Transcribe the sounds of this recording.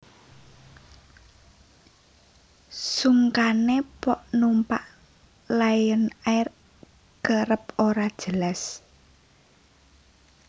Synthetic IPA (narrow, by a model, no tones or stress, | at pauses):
suŋkanepɔʔnumpaʔ | lajənar | ɡ̥əɾəpoɾad̥ʒ̥əlas